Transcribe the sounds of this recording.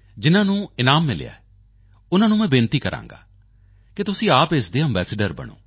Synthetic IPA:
d͡ʒɪnãːnũːɪnaːmːɪl̰ja̰ːɛ | ʊnãːnũːmɛ̃ːbeːnt̪iːkəɾʔã̰ːŋɡa̰ː | kɪt̪ʊsĩːaːpɪsd̪eːɛ̃mbɛːseɖəɾbə̰ɳ̃o̰ː

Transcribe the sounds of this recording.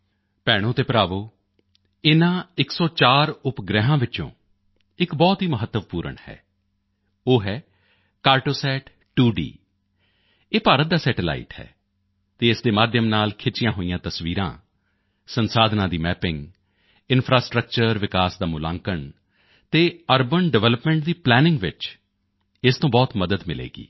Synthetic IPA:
pɛːɽ̃õːt̪eːpɾaːʋoː | ɪnãːɪksɔːt͡ʃaːɾʊpɡɾɛɦãːʋɪt͡ʃõ̰ː | ɪkbɔːt̪ɦiːməɦət̪ːəʋpuːɾə̰ɳhɛ̰ː | oːɦɛː | kaːɾʈoːsɛːʈ | ʈuːɖḭː | eːpaːɾət̪̚d̪aːsɛːʈɪla̰ːḭʈhɛ̰ː | t̪eːɪsd̪eːmaːd̪ʱjəmnaːlkʰɪt͡ʃɪjãːɦoːijãːt̪əsʋiːɾã̰ː | sənsaːd̪nãːd̪iːmɛːpɪ̃ŋɡ | ɪnpʰɾaːsʈɾək̚t͡ʃəɾʋɪkaːsd̪aːmʊlã̰ːŋkəɳ | t̪eːəɾbəɳɖəʋɛːləpmɛ̃ːɳʈ̚d̪iːplɛːnɪ̃ŋɡʋɪt͡ʃ | ɪst̪õːbɔːt̪məd̪əd̪mɪlḛːɡḭː

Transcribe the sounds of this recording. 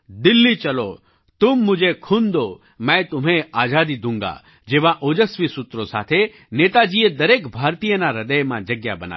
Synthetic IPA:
d̪ɪlːit͡ʃɐlo | t̪umːʊd͡ʒekʰund̪o | mɛ̃t̪ʊm̤ẽaːd͡ʒaːd̪id̪ʱũŋɡa̰ | d͡ʒeːʋaʔoːd͡ʒəsʋisʊt̪ɾosa̰ːt̪ʰe | neːt̪ad͡ʒiːed̪ɐɾeːkbʱaːɾt̪ijənaɾɐd̪əjmã̰d͡ʒɐɡjabɐna̰

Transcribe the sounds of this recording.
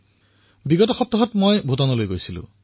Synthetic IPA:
biɡɔtɔxɔp̚t̪ːɔɦɔtmojbʱutanɔlojɡojsilʊ̰̃

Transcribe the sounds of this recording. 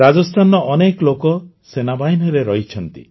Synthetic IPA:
ɾad͡ʒɔst̪ʰanɔʔːneklokɔsenabaɦinɔɾeɾɔɦit͡ʃʰɔnt̪ḭ

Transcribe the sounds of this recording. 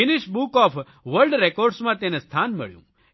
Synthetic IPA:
ɪnɪʃbukɔf | ʋəɾlɖɾekɔɾɖsmãt̪enest̪ʰanmə̰ɭjṵ̃

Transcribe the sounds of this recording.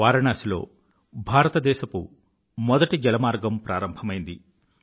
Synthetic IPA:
aːɾɐɳaːsilo̞̰ː | bʱaːɾɐt̪ɐd̪ɛːʃɐkṵ | mɔd̪ɐʈid͡ʒɐlɐmaːɾɡɐmpɾaːɾɐmbʱɐmɐjind̪i

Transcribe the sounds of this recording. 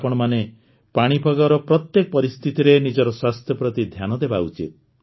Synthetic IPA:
pɔɽ̃ɔmane | paɽ̃ibʱɔɡɔɾɔpɾɔt̪jekɔpɔɾist̪ʰit̪iɾenid͡ʒɔɾɔswast̪ʰjɔpɾɔt̪id̪ʱjanɔd̪ebaut͡ʃḭt̪̚

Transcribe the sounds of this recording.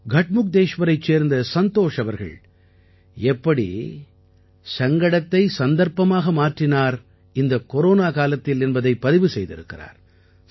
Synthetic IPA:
ɡʱɐʈ̚mʊk̚d̪eːʂʋɐɾɐɪt͡ʃːeːɾnd̪ɐsɐnt̪oːʂɐʋɐɾɣɐ̰ɭ | ɛpːɐɽḭ | sɐŋɡɐɽɐt̪ːɐɪsɐnd̪ɐɾpɐmaːɣɐmaːʈrɪnaːɾ | ɪnd̪ɐkɔɾoːnaːkaːlɐt̪ːɪlɛnbɐðɐɪpːɐðɪʋɯsɛjðɪ̰ɾɯ̰kːɪra̰ːɾ

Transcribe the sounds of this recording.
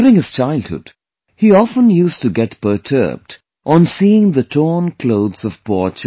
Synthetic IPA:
ɾɪ̃ŋhɨz̥t͡ʃaɪlˠd̚hʊ̰d̥ | hiɑfə̃njustɨɡɛtpə˞tʰɜ̰˞b̚d | ʔə̃nsiɪ̃ŋðətʰɔːnkʰloʊðzʌv̥pɔt͡ʃ

